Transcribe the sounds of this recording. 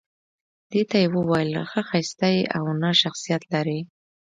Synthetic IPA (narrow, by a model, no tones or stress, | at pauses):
d̪̥et̪ajewəwɑjəlxəxajst̪aja̰wnəʃaxsijat̪laɾi